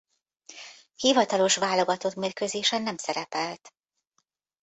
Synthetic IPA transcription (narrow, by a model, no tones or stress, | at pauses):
hivɒt̪ɒlo̞ʃʋaːlo̞ɡɒt̪o̞t̪meːrkøzeːʃɛnːɛmsɛɾɛpɛlt̪